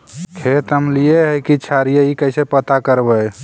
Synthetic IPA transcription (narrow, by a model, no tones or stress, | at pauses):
kʰet̪əmlijeɦəjkit͡ʃʰaɾijeikəɪsepət̪akəɾbəj